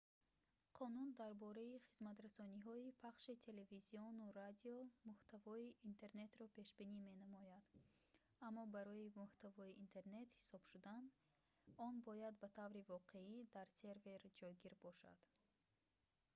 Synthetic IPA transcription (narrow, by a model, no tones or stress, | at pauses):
qʰɔnund̪aɾbɔɾaiχizmat̪ɾasɔniɦɔipʰaχʃit̪ʰe̞le̞viziɔnuɾad̪iɔmuht̪avɔiʔːnt̪ʰe̞ɾne̞t̪ɾɔpe̞ʃbinime̞namɔjad̪ | amːɔbaɾɔimuht̪ʰavɔiint̪ʰe̞ɾne̞t̪hi̥sɔb̥ʃud̪an | ɔnbɔjad̪bat̪ʰavɾivɔqʰe̞id̪aɾse̞ɾve̞ɾd͡ʒɔjɡiɾbɔʃa̰d̪̥